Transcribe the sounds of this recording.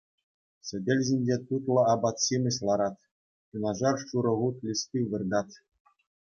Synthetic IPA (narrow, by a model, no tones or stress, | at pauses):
sʲɘ̆dʲelʲʑʲinʲd͡ʑet̪ut̪lˠɤ̆ɑbɑt̪simʲɘ̆ɕlˠɑɾɑt̪ʲ | tunɑʐɑrʂuɾɤ̆ʁut̪lʲist̪ʲiʋɯ̆rd̪ɑt̪ʲ